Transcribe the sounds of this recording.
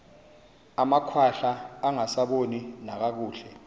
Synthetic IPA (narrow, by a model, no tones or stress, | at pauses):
amakʰwaɬaːŋasaɓoninak̬ak̬uːɬɛ